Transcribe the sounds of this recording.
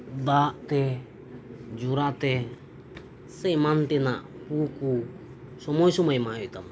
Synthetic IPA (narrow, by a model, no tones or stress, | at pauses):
d̪aʔt̪ɛ | d͡ʒuɾat̪ɛ | sɛmant̪ɛnaʔ | puku | sɔmɔjsɔmɔimaɛit̪am